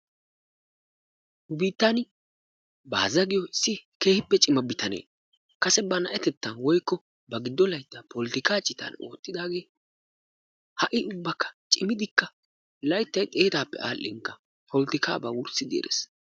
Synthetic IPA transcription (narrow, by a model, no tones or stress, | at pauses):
hʊbiːt̪ːan | ba̰ːzɐɡɪjɔɪsːɪke̞ːhɪpːɛt͡ʃʼɪmɐbɪt̪ɐnḛː | kɐsɛbɐnɐʔɛt̪ɛt̪ːɐnwɔjkːɔ | bɐɡɪd̪ːɔlɐjt̪ːɐpɔlt̪ɪkaːt͡ʃʼːɪt̪ɐ̰no̞̰ːt̪ːɪd̪aːɡe̞ː | hɐʔɪʔʊbːɐkːɐ̥t͡ʃʼɪmɪd̪ɪkːɐ | lɐjt̪ːɐjt̪ʼeːt̪aːpːɛ̰ʔa̰ːlʔːɪ̰ŋkːɐ | pʰɔlt̪ɪka̰ːbɐwʊɾsɪd̪ḛːɾḛs